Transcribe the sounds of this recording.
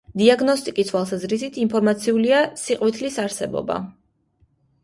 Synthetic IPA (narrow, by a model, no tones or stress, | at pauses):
d̪iaɡnɔst̪ʼikʼist̪ʰwalˠsazɾisit̪ʰimpʰɔɾmat̪sʰiuliasiqʼwit̪ʰlisaɾsɛbɔ̰ba̰